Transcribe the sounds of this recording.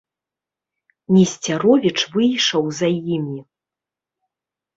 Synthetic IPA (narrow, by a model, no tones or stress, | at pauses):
mʲisʲt͡sʲaɾɔvʲit͡ʂvɨjʂɐwzajimʲi